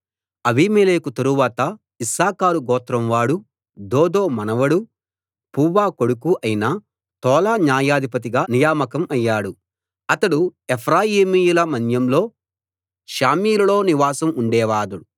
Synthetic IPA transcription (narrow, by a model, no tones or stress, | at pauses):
ɐbiːmeːleːkut̪ɐɾuʋaːt̪ɐ | isaːkaːɾuɡɔːt̪ɾɐmʋaːɽu | d̪ɔːd̪oːmɐnɐʋɐɽu | puːʋaːkoɽukuʔɐjinɐ | t̪ɔːlaːnjaːjaːd̪ʱipɐt̪̬iɡaːnijaːmɐkɐmɐjːaːɽu | ɐt̪ɐɽuepʰɾaːjiːmijulɐmɐnjɐmlo̞ː | ʃaːmiːlɐlo̞ːniʋaːsɐmuɳɖɛːʋaːd̪uɽu